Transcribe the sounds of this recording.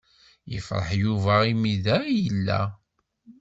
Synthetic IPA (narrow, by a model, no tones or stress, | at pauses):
jə̰fɾˤə̰ħjuvæimiðæjəlːæ̰